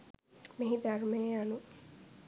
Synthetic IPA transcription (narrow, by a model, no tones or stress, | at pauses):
meɦid̪aɾmejeanu